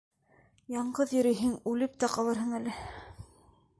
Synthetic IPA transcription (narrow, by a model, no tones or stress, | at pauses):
jɑɴɢɤðjɵ̆ɾɘ̆jɦɘŋʉlɘp̚t̪æqɑlˠɤɾɦɤɴælɘ